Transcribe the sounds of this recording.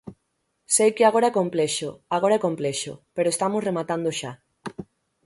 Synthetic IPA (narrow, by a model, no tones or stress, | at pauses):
sejkeaɣ̞oɾaɛkompleʃoaɣ̞oɾaɛkompleʃo̰peɾoest̪amoremat̪and̪oʃa